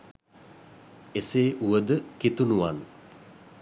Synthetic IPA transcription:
eseːʔuʋəd̪əkit̪unuʋan

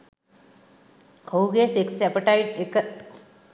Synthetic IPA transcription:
hoɡeseksɛpəʈaɪʈek

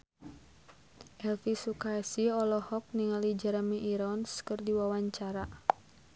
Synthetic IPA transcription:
ʔɛlfisukaɛsiɔlɔhɔk̚niŋalid͡ʒaɾamiʔiɾɔnskərdiwawaɲt͡ʃaɾa

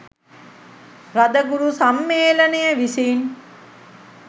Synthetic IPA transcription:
rad̪əɡuɾusamːeːlənejəʋisen

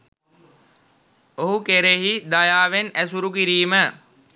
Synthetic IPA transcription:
oɦukeɾeɦid̪ajaːʋenæs̬uɾukiɾiːmə

